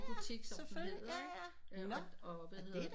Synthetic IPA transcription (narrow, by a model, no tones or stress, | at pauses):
b̥ut͡sʰiɡ̥sɒeføle̝̰ | ɒʋæhɦe̝ð̰ˠ